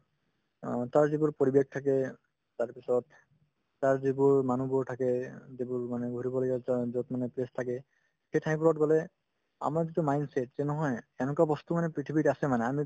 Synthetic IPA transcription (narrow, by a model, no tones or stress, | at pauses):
taɹzibuɹpoɹibek̚tʰak̬ɛ | taɹpisɔt̪̚ː | aɹzibuɹmanubuɹtʰakɛzibuɹmanɛɡʱuɹibɔloɡɛzɔtmanɛplestʰakɛ | xejtʰakipɔlɔt̚ɡɔlɛ | a̰maɹzitumajnsetzɛnɔɦɔjɛnɔkabɔst̪umanɛpɹiʈʰibiʈasɛmanɛami